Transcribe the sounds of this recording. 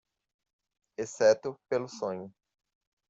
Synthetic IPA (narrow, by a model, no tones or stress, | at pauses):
esɛt̪ʊpelʊsõɲʊ